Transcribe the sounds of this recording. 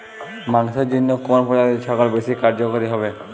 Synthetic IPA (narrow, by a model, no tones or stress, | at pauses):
maŋsɔd͡ʒinːɔkɔɔnpɔatiʃʰɔkɔlbesikaɹd͡ʒɔkoɾiɦɔbɛ